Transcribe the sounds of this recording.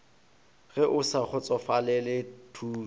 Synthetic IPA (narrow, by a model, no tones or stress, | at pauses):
ɣɛʔʊsaχʰʊt͡sʼɔfalɛlɪtʰu